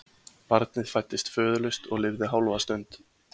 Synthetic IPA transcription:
paɾt̪̚nɪðfajt̪ːɪst̪fœːðʏlʏst̪ɔɣlɪvðɪɦaːwlɔvast̪ʏnt̪

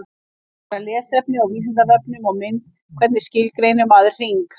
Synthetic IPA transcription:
ɾalɛːsɛp̚nɪawviːs̬ɪnt̪avɛpnʏmawmɪnt̪ | kʰvɛt̪nɪscɪlkɾejnʏmaðɪr̥r̥iŋk

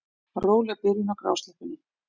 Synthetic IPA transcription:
roːwlapɪɾinawkɾa̰wst̪ɛhpʏnːɪ

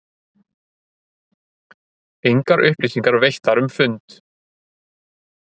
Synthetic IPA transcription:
ejŋkaɾʔʏhplisiŋkaɾvejht̪aɾʏmfʏnt̪

